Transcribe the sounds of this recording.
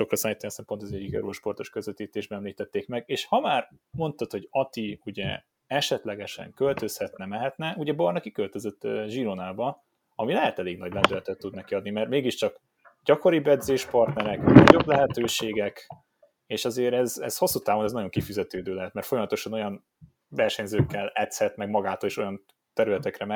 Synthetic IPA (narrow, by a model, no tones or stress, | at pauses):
ʃo̞krɒsaːjit̪ːɛsɛmpot̪ɛzɛɟːikɛ̰ɾoːʃpo̞rt̪o̞ʃkøzʋøt̪iːt̪eːʒbɛɛmliːt̪ɛt̪ːeːkmɛɡeːʃhɒmaːr | mo̞nt̪ɒt̪ho̞ɟɒt̪iuɟɛ̰ | ɛʃɛt̪lɛɡɛʃɛ̰ŋkø̞lt̪ø̞shɛt̪nɛmɛɦɛt̪nɛuɟɛbɒrnɛkikølt̪øzøt̪ːʒiɾonaːbɒ | ɒmilɛɦɛt̪ɛleːɡnɒɟlɛnd̪ylɛt̪ɛt̪ːud̪nɛkiɒd̪nimɛrt̪meːɡiʃt͡ʃɒk | ɟ̥ɒko̞ɾibɛd̪zeːʃpɒrt̪nɛɾɛknɒ̰ɟo̞blɛɦɛt̪øːʃeːɡɛk | eːʃɒzeːɾɛzɛ̰zho̞sːut̪aːvo̞nɛznɒɟjo̞ŋkifyzɛt̪øːd̪øːlɛɦɛt̪mɛɾrt̪fo̞jɒmɒt̪o̞ʃɒno̞jɒn | vɛrʃɛɲzøːkːɛlɛt̪shɛt̪mɛɡmɒɡaːt̪oleːʃo̞jɒn | t̪ɛɾylɛt̪ɛkrɛmɛ